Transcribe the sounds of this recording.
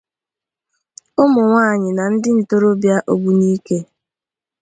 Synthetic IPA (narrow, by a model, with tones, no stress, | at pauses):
ʊ˦mʊ˨ŋʷaː˦˨ɲɪ˨na˨n̩˦dɪ˦n̩˨to˦ɾo˦bja˦ʔo˦ɡ͡bu˨niː˦ke˦